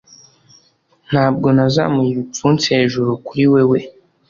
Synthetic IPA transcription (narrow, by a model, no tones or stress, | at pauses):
n̥haːb̚ɡo̞naza̰mujiut͡sunt͡seːʒuɾokuɾiwewe